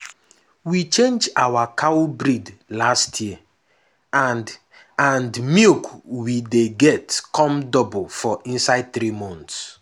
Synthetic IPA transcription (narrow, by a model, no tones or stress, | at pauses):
wit͡ʃẽnd͡ʒawakʰawbɾidlastʰjiə | an | ãndmikwideɡɛtkʰɔ̃mdɔblfɔʔĩnsaɪd̚θɾimɔ̃nts